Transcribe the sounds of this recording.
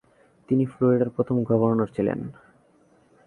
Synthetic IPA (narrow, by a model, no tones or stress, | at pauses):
t̪inifloɾiɖaɾpɾot̪ʰomɡʱɔboɾnoɾt͡ɕʰilḛn